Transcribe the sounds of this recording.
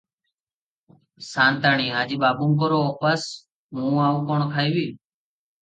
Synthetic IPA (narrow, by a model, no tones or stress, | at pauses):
saːnt̪aːɳiːaːd͡ʒiːɓaːbũːmk̬əɾoːopəs | ɦũːaːuːkoːɳkʰaːiːʋiː